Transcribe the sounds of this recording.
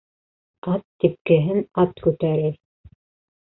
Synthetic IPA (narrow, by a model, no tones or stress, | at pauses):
ɑt̪ːip̚kɘ̆ɦɘnɑt̪kʉt̪æɾɘɾ